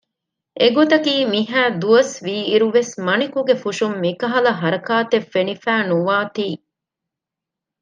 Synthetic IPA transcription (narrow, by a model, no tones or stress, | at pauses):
ʔeɡot̪ɐkiːmiɦæːd̪uɐsʋiːɾuʋesmɐnikuɡefuʃumːikɐɦɐlɐɦɐɾɐkaːt̪efːenifæːnuʋaːt̪iː